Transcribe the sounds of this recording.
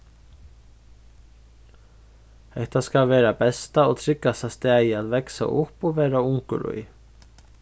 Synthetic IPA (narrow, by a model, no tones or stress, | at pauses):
ɛht̪askalvɛːɾabɛst̪aɔɣt̪ʰɾɪkːasast̪aːjɪaðvɛksa̰ʔʊhpɔɣvɛːɾaʊŋkʏ̰lṵj